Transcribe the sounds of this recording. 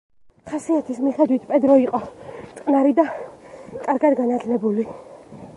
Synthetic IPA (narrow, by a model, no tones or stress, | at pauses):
χasiat̪ʰismiχɛd̪wit̪ʰpʼɛd̪ɾɔiqʼɔt̪sʼqʼnaɾid̪a | kʼaɾɡad̪ɡanat̪ʰlɛbuli